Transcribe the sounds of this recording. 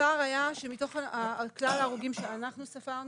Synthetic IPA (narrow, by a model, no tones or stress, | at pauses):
aʁajaʃemito̞χaaklalaːʁuɡimʃeanaχnusafaʁn